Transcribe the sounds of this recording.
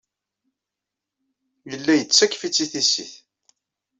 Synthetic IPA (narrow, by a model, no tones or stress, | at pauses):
jəlːæjət͡sːækːfit͡sːiθisiθ